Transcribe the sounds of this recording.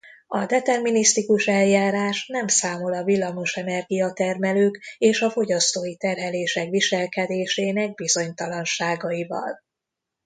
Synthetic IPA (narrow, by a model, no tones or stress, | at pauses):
ɒd̪ɛt̪ɛrminist̪ikuʃɛljaːɾaːʃnɛmsaːmo̞lɒvilːɒmoʃɛnɛrɡijɒt̪ɛrmɛløːkeːʃɒfo̞ɟɒst̪oːjit̪ɛrɦɛleːʃɛkʋiʃɛlkɛd̪eːʃeːnɛɡ̚bizo̞ɲt̪ɒlɒnʃaːɡɒjivɒ̰l